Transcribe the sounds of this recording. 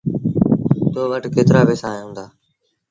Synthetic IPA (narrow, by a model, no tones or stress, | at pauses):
t̪oːʋəʈkeːt̪ɾaːbeːsaːjũːnd̪aː